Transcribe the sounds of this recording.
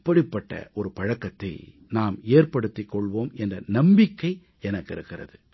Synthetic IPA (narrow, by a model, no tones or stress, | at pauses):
pːɐɽɪpːɐʈːɐ̰ʔɔɾɯpɐɻɐkːɐt̪ːɐ̰ɪ | naːmeːrpɐɽɯt̪ːɪkːɔɭʋoːmɛndrɐnɐmbɪkːɐɪ | ɛnɐkːɪɾɯkːɪrɐ̰ðɯ